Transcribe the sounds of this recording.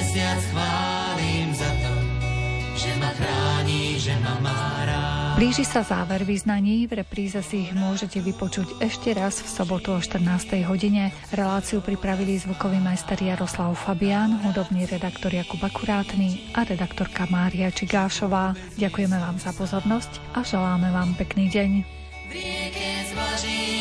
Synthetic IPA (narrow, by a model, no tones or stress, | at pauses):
sɪat͡sʋaː | limzat̪ɔ | ʒɛnaxɾaːɲiʒɛna | bliːʒisazaːʋɛɾʋiznaɲiːvɾɛpɾiːzɛsiːɣmʊɔʒɛcɛʋipɔt͡ʃuɟɛʃcɛɾazfsɔbɔt̪uɔʃt̪r̩naːst̪ɛjɦɔɟiɲɛ | ɾɛlaːt͡siupɾipɾaʋilizʋukɔʋimajst̪ɛɾjaɾɔslaʊfabiaːnɦud̪ɔbniːɾɛd̪akt̪ɔɾjakubakuɾaːt̪niʔaɾɛd̪akt̪ɔɾkamaːɾiat͡ʃiɡaːʃɔʋaː | ɟakujɛmɛʋaːmz̥apɔzɔɾnɔsc | ʔaʒɛlaːmɛʋaːmpɛkniːɟɛɲ